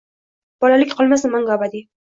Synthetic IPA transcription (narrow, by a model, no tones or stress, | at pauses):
b̥ɒlalɪkʲqʰɒlˠmasɪmaŋɡɒbad̪ɪ